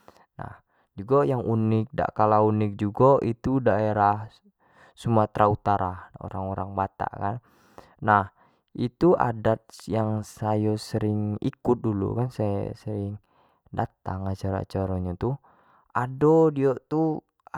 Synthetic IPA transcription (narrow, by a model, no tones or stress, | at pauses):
na̰h | d͡ʒuɡajaŋʔunɪk̚da̰ʔkalaunɪk̚d͡ʒuɡaʔit̪udaeɾah | sumat̪ɾaut̪aɾao̰ɾaŋoɾaŋbat̪a̰kan | nah | it̪ua̰dat̪̚jaŋsajosəɾɪŋḭkʊt̪̚dulṵkansaja̰səɾɪŋ | dat̪aŋat͡ʃaɾa̰t͡ʃaɾoɲat̪u | ʔadodiot̪u